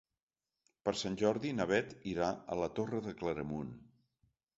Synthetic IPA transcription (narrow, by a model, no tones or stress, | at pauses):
pəɾsanʲʒɔɾðinəβɛt̪iɾaə̰lət̪orəðəkləɾəmun